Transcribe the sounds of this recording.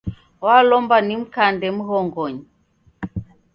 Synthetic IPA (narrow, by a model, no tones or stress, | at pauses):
walɔmbanim̩kandɛm̩ɣɔŋɡɔɲi